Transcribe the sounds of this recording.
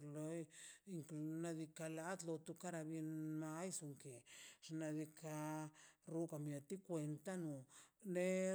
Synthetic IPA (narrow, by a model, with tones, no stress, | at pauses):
lo˧˦ji˧ŋklna˧d̪i˧ka˧la˧˦t̪lo˧t̪u˧ka˦ɾa˧bje˧nma˦jsu˧ŋke˨ʐ̥na˧d̪i˧ka˧ɾu˦ka˧˨mja˧t̪i˦kwe˧nt̪a˦nu˨ne˦